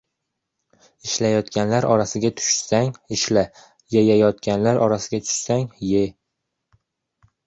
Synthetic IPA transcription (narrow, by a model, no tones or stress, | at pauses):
ɪʃlajɒt̪kʲʰanlaɾɒɾasɪɡʲat̪ʰʊ̥ʃsaŋɪʃla | jajajɒt̪̚kʲanlaɾʔɒɾasɪɡʲat̪ʰʊ̥ʃsaŋje